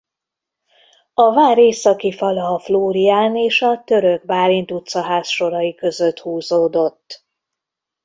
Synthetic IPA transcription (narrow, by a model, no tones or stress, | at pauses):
ɒvaːɾeːsɒkifɒlɒːfloːɾijaːneːʃɒt̪ø̞ɾøɡ̚baːlint̪ut̪sɒɦaːsʃo̞ɾɒjikø̞zø̞t̪huːzoːd̪o̞t̪ː